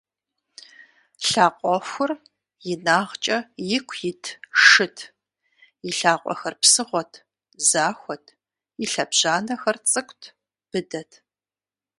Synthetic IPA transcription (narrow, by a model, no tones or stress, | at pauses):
ɬaːqʷʼɔxʷʊr | jɪnaːʁt͡ʃʼɐjɪkʷʰjɪtʰʂɨtʰ | jɪɬaːqʷʼɔ̰xɐrpsɨʁʷɔtʰ | zaːxʷɔtʰ | iɬɐbʑ̥aːnɐxɐrt͡sʼɨkʷʰʼtʰ | b̥ɨdɐtʰ